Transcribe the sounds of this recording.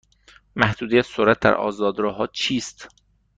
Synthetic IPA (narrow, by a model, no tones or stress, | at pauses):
mæhd̪̥uːd̪ejæ̥soɾæt̪̚d̪æ̰ɾʔɒ̰ːzɒːd̪ɾɒːɦɒːt͡ʃʰiːst̪